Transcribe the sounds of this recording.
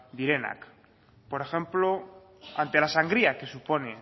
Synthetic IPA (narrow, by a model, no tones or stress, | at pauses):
d̪iɾe̞na̰k | po̞ɾe̞xe̞mplo | ant̪e̞lasaŋɡɾiake̞supo̞ne